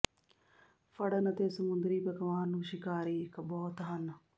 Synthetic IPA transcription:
fʰəɽənət̪eːsəmʊnd̪ɾiːpəkʋaːnnũːʃɪkaːɾiːɪkbɔːt̪ɦən

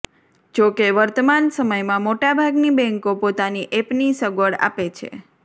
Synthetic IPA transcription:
d͡ʒokeʋəɾt̪əmansəməjmãmoʈabʱaɡnibɛ̃ŋkopot̪aniʔepnisəɡʋəɭa̰pet͡ʃʰḛ

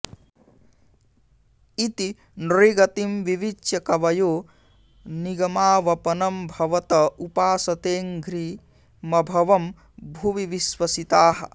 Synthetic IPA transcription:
it̪i | nɾiɡɐt̪imʋiʋiʃjɐkɐʋɐjoː | niɡɐmaːʋɐpɐnɐmbʱɐʋɐt̪ɐupaːsɐt̪eːŋɡʱɾi | mɐbʱɐʋɐm | bʱuʋiʋiswɐsit̪aːɦɐ̰

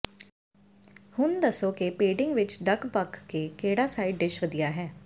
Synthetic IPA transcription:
hʊnd̪əsoːkɪpeːɖɪ̃ŋɡʋɪt͡ʃɖəkbəkːeːkeːɽaːsaːiɖɖɪʃʋəd̪ijaːɦɛː

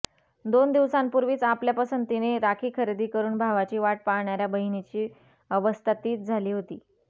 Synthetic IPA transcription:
d̪ond̪iʋsampuɾʋiːt͡sapljapəsənt̪ineɾakʰiːkʰəɾed̪iːkəɾuːnbʱaʋat͡ɕiːʋaʈ̚paɾɳaɾjabəɦinit͡ɕiː | əʋəst̪ʰat̪iːt͡s̚d͡zʱaliːɦot̪iː

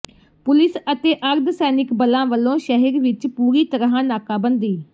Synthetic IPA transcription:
pʊlɪsət̪eːʔəɾd̪sɛːnɪkbəlãːʋəlːõːʃəɦəɾʋɪt͡ʃpuːɾiːt̪əɾɦãːnaːkaːbənd̪iː

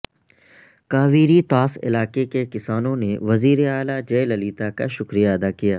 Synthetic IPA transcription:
kaːʋiːɾit̪aːsɪ̰laːkekekɪsaːnõneʋɐziːɾeaːlad͡ʒeːlɐliːt̪akaʃʊkɾijaɐd̪aːkijaː

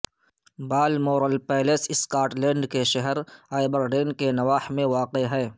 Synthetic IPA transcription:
baːlmoːɾəlpɛːlesɪskaːʈlɛ̃ːɳɖkeʃɐɦəɾaːɪbəɾɖeːnkenɐʋaːhmẽʋaːqeɦɛː

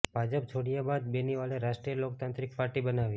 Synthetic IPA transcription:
bʱad͡ʒəp̚t͡ʃʰoɽijabad̪̚beniʋaleɾaʃʈɾijəlok̚t̪ãnt̪ɾikpaɾʈibənaʋi

